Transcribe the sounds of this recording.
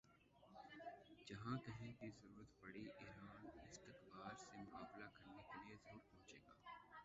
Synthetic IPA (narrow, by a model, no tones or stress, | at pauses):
d͡ʒɐɦãkɐɦẽkizɐɾuːɾət̪bɐɽiʔɪːɾaːnɪst̪ɪqbaːɾsemʊkaːblakɐɾnekɐliezəɾuːɾpɐ̃ɦʊ̃t͡ʃeːɡaː